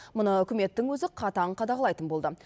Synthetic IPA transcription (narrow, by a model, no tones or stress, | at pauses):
mʊnəʏkʲɪme̞t̪ːɪŋwɵzɪqʰɑt̪ɑəɴqʰɑd̪ɑʁəlˠɑjt̪ənbolˠd̪ə